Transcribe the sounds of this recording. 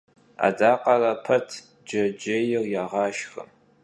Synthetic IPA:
a̰daːqɐrɐpʰɐtʰ | d͡ʒɐd͡ʒɪjɪrjaʁɑːʃxə̰

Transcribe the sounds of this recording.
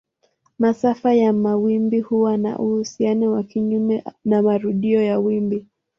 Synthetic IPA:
masafajamawimbihuwana̰ʔuhusianɛwakiɲumɛnamaɾuɗiɔjawimbi

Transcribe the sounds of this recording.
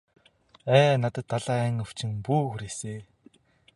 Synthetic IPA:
æːnat̪ə̆t̪ʰːaɮaːæŋɵw̥t͡ɕɪ̆ŋpuːxuɾeːseː

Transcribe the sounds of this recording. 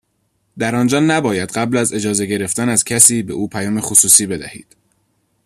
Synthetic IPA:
d̪æɾɒnd͡ʒɒːnæbɒːjæd̪ɢæblæze̞d͡ʒɒːze̞ɟe̞ɾe̞ft̪ænæzcʰæsiːbe̞ʔuːpʰæjɒːmexosuːsiːbe̞d̪æhḭːd̪̥

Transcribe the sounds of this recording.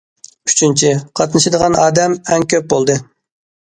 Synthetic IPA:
yt͡ʃʰint͡ʃʰiqʰɑt̪nɨʃɨd̪əʁɑnɑːd̪ɛmɛŋkʲøp̚bolˠd̪ɨ

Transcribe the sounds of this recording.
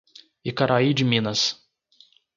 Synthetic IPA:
ɪkaɾʔaid͡ʒɪmĩnɐs

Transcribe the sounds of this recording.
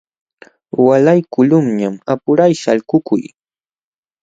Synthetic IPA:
walajkʊlʊmɲamapʊɾajʃaʎɢʊkʊ̰j

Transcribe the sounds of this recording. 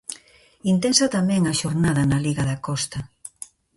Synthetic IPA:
int̪ɛnsɐt̪amɛ̃ŋɐʃoɾnaðɐnɐliɣɐðakɔst̪ɐ

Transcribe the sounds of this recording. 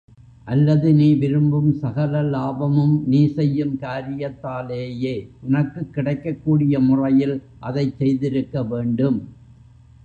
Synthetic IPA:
ʔɐlːɐðɯniːʋɪɾɯmbɯmsɐɣɐlɐlaːbɐmɯmniːsɛjːɯmkaːɾɪjɐt̪ːaːleːjeːʔʊnɐkːɯkːɪɽɐɪkːɐkːuːɽɪjɐmʊrɐjɪl | ʔɐðɐɪt͡ʃsɛjðɪɾɯkːɐʋeːɳɖɯm

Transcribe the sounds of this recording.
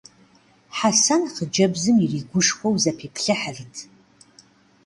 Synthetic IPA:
ħasanχəd͡ʒɐbzɨmiriːɡʷʊʂxʷɔwzɐpʰeːpʰɬɐħariːtʰ

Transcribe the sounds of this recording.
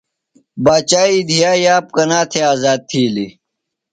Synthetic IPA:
baːt͡ɕaːiːd̪ʱijaːjaːp̚kɐnaːt̪ʰeaːzaːd̪̚t̪ʰiːli

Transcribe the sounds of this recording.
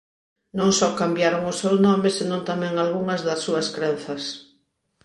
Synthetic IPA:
nõŋsɔkambjaɾoŋʊsownɔmɪsenõnt̪amɛ̃ŋalɣuŋɐzðɐsːuɐskɾẽn̟θɐs

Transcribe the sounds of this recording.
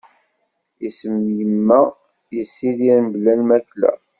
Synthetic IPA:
isəmjəmːæ | jisːiðinblælmæklæ̰

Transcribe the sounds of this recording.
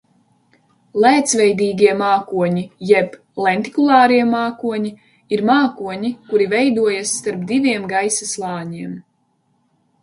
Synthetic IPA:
lˠæːt̪svɛjd̪iːɡʲiɛmaːkuɔɲijɛb | lˠɛnt̪i̥kulˠɑːɾiɛmaːkuɔɲi | iɾmaːkuɔɲikuɾivɛjd̪uɔjasːt̪aɾp̚d̪iviɛmɡajsaslˠɑːɲiɛm

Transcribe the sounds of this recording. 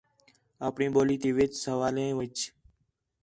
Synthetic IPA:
aːpɳĩːɓoːliːt̪eːʋeːt͡ʃsəʋaːlẽːʋət͡ʃ

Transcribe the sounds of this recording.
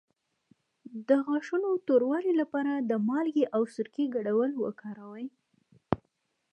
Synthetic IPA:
d̪əɣɑʂunot̪oɾwɑlilapɑɾad̪əmɑlɡeʔawsʊɾkiɡaɽawəlwə̰kɑɾawaj

